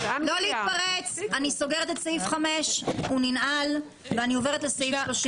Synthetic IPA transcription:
loliit̪paʁet͡saniso̞ɡeʁet̪etsaifχameʃuninal | veanio̞veʁet̪lesaifloʃ

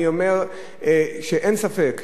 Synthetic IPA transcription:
iomeʁ | ʃeʔensafek

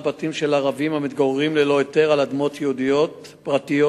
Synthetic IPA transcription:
batimʃe̞laʁavimhamit̪ɡoʁʁimlelo̞jete̞ʁalad̪mo̞t̪jeud̪ijo̞t | pʁat̪ijo

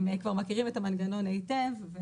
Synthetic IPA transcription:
mekvaʁmakiʁimetamanɡano̞najtevːe

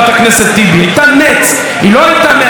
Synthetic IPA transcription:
t̪akneset̪ːibiajt̪anet͡s | iloajt̪ame

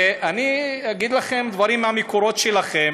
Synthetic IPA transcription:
ʔaniaɡid̪laχe̞md̪vaʁimːamekoɾo̞t̪ʃelaχe̞m

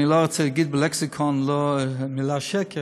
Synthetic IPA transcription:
ɪlˠɔʁt͡sɪɡɪt̚bəlɛksɪkʰɔnlɔmɪlaʃɛkə

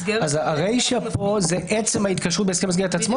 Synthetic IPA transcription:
azaʁejʃepo̞zeʔet͡semhait̪kɐʃʁut̪̚beskemas̬ɡeʁet̪at͡smo

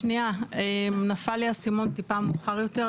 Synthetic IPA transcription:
niaemnafaljasimo̞nt̪ipamuχaʁjo̞t̪e

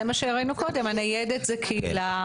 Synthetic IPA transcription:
emaʃeʁainuko̞d̪e̞manijɛd̪et̪zekʰiila

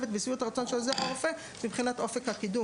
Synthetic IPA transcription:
vet̪̚besijut̪aʁat͡so̞nʃelzeofe | mibχinat̪ʔo̞fekhakid̪u

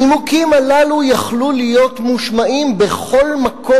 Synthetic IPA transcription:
imukimalalujaχlulijo̞t̪muʃmaʔimbeχo̞lmakʰo

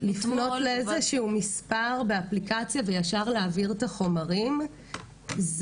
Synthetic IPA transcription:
lifno̞tleezeʃuumispaʁbeaplikat͡sjavejaʃaʁleaviʁt̪aχo̞maʁim | z

